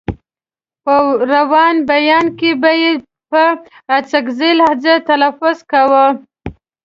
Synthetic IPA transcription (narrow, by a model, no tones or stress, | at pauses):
pəɾawɑnbajɑnkebaje | pə | at͡sakzelazat̪alafʊzkawə